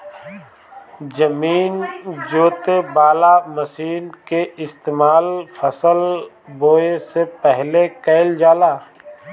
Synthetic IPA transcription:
d͡ʒəmiːnd͡ʒoːt̪ebaːlaməsiːnkeɪst̪eːmaːlfʰɐsəl | boːesepɛɦlekɛɪld͡ʒaːlaː

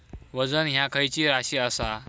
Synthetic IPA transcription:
ʋəd͡zənɦjakʰəjt͡ɕiːɾaɕiːəsa

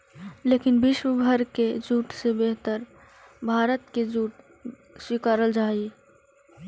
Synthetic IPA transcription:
leːkɪnbɪʃwəbʱəɾked͡ʒuːʈsebeɦt̪əɾ | bʱaːɾət̪ked͡ʒuːʈ | swɪkaːɾəld͡ʒaːi

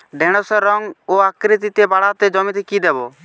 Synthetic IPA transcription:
ɖʱɛɽ̃ɔsɛɾɔŋoakɾit̪it̪ebaɽat̪ɛd͡ʒɔmit̪ɛkid̪ɛbɔ

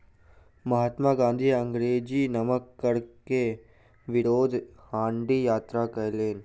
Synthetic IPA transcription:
mɐɦat̪maːɡãːnd̪ʱiɐ̃ŋɡɾeːd͡ʒiːnɐməkːɐɾke | ʋɪɾoːd̪ʱhãːɳɖiːjaːt̪ɾaːkɐjleːn

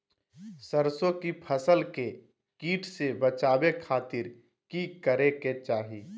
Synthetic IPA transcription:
səɾsõkipʰəsəlke | kiːʈʰsebət͡ʃaːbekʰaːt̪ɪɾ | kikəɾeket͡ʃaːɦiː

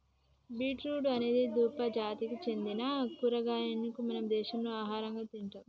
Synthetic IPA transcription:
biːʈɾuːɖɐne̞ːd̪id̪uːpɐd͡ʒaːt̪ikit͡ʃe̞nd̪inakuɾɐɡaːjenːikumɐnɐmd̪ɛːʃɐmnuaːɦaːɾɐŋɡaːt̪iɳʈaːm

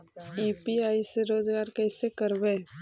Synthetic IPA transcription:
iːpiaːiseɾoːd͡ʒɡaːɾkɛɪsekəɾbeː

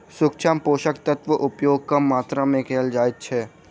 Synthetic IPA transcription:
sʊk̚t͡ʃʰaːmpoːʃəkt̪ət̪ʋəʔʊpjoːɡ̚kamːaːt̪ɾamẽkɛːld͡ʒaːet̪t͡ʃʰɛː

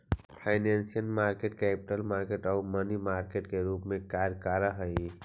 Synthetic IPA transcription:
pʰaɪnensijənmaɾkeʈkɛpiʈəlmaɾkeʈaumənimaɾkeʈkeɾupmẽkaɾkaɾəɦəi

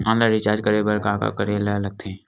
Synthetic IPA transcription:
ãːnlaɾɪt͡ʃaːɾd͡ʒkəɾebəɾkaːka̰kəɾelalɐɡ̚t̪ʰeɛ̃

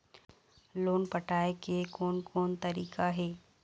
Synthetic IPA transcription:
loːnpəʈʰaːekekoːnkʰoːnt̪ɐɾiːkaɦeː

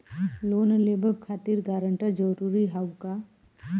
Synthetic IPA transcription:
loːnleːbəbkʰaːt̪iɾɡaːɾə̃ɳʈəɾd͡ʒəɾuːɾiɦawka

